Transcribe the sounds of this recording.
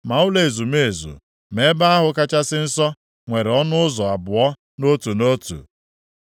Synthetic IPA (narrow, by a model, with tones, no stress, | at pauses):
ma˨ʊ˦le˨zu˨me˨e˨zṵ˨ | me˦ba˦a˦ɦʊ˨ka˦t͡ʃa˦sɪ˦n̩˦sɔ˦ | ŋʷe˨ɾe˨ɔ˦nʊ˦ʊ˦zɔ˨a˨bʊ˨ɔ˦ | no˦tu˨no˦tṵ˨